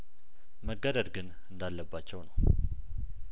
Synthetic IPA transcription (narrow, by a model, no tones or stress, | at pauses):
məɡːəd̪əd̪ɡɨn | ɨnd̪alːəbːat͡ʃːɛwnəw